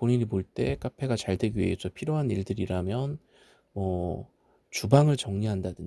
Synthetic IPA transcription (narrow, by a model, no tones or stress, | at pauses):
oɲiɲimoɭt͈e̞k͈apʰe̞ɡat͡ɕaɭdwe̞ɡiɥiesʰʌpʰiɾjoɦaniɭdɯɾiɾamjʌn | mʌ | t͡ɕubaŋɯɭt͡ɕʌŋɲiɦandadɯɲ